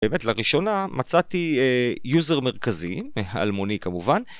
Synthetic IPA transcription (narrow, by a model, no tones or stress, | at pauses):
eːmetlaʁiʃo̞namat͡sat̪iejuzeʁmeʁkazia̰lmonikamuvan